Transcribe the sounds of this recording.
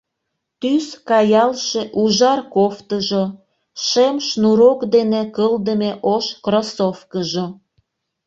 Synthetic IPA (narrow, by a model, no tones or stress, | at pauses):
t̪yskɑjɑlʃeʔuʒɑrkoft̪əʒo | ʃemʃnuɾokd̪enekəld̪əmeʔoʃkrosofkəʒo